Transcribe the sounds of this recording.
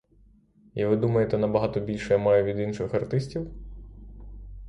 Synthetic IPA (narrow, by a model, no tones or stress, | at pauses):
iʋɪd̪umɐjet̪ɛnɐbɐɦɑt̪ɔbʲilʲʃɛjɐmɑjʊʋʲid̪inʃɪxɐrt̪ɪsʲtʲiw